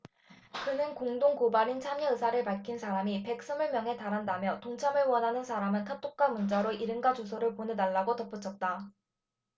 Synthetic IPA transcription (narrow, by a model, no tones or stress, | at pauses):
kɯnɯnkoŋdoŋkobaɾint͡ɕʰamʌɯsʰaɾɯɭpaɭkʰinsʰaɾamipe̞k̚s͈ɯmɯɭmjʌŋɦe̞taɾɦandamjʌtoŋt͡ɕʰamɯɭwʌnɦanɯnsʰaɾamɯnkʰatʰok̚k͈amund͡ʑaɾoʔiɾɯŋɡad͡ʑos̬ʰoɾɯɭponenaɭːaɡotʌp͈ut͡ɕʰʌt̚t͈a